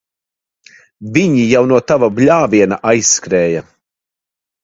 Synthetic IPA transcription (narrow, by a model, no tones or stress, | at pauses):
vʲiɲijawnuɔt̪avablʲaːviɛnaʔajsːkɾɛːja